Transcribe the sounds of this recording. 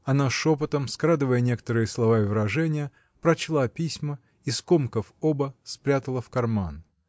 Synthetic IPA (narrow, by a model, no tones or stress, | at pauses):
ɐnaʂopət̪əmskɾad̪ɨvəjənʲe̞kə̥t̪əɾɨjəslˠɐvaɪvɾɐʐɛnʲɪjə | pɾɐt͡ɕlˠapʲisʲmə | iskomkəfobəspɾʲat̪əlˠəfkɐrman